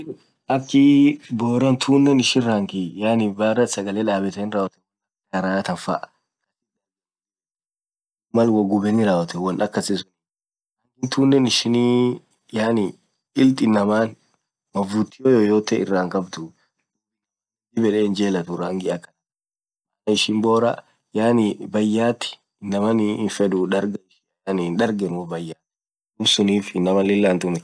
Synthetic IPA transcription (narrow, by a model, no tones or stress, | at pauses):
ʔɐkːɪboːɾɐnt̪ʰuːnːɛnɪʃɪnɾaːŋɡijaːnɪbɐɾɐsɐɡɐleːᶑaːbɛt̪ɛnɾaːwɐt̪ɛ | ɐkɐɾaːt̪ɐnfɐ̰ʔ | kɐs | mɐlwɐɡʊbɛnɪɾaːwɐt̪ɛwɐnʔɐkːɐsɪsʊn | ɐkːɪnt̪uːnːɛnɪʃɪniː | jaːnɪ | ɪlt̪ʼɪnːɐmaːn | mɐvut̪ːɪjojoːjoːt̪ɛɪ̰rːaːŋkɐbt̪ʊ | dibɛᶑɛːnd͡ʒeːlɐt̪ʊɾaːŋɡɪʔɐkɐnɐ | ɐnɪʃɪmboːɾɐ̰ | jaːnibɐjːaːt̪ːɪ̥ | nɐmɐnɪfɛd̪ʊᶑɐɾɡɐɪʃɪ | ninᶑɐɾɡɛnwɔbɐjːaː | ʊmsʊniːfɪnɐmɐlɪlːaːnt̪ʊnɛ